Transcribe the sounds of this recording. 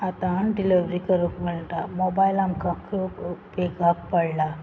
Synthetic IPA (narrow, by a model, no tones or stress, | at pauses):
at̪aɳʈiliʋɾikəɾokməɭʈ̪amɔbajlamkakokpekak̚pəɽla